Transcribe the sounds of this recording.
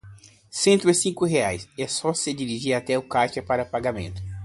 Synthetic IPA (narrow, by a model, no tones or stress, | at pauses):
sẽnt̪ʊɪsĩkʊɦeajsɛsɔsɪd͡ʒiɾiʒiɾat̪ɛʊkat͡ʃɐpaɾɐpaɡamḛ̃nt̪ʊ̥